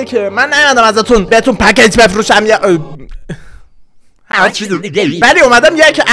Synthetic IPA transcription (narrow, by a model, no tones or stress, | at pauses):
kʰemænːæjumæd̪æmæzat̪ʰunbehet̪unpʰækeɲtbefɾuʃæmjeʔ | hæt͡ʃʰivæliumæd̪æmjekʰæ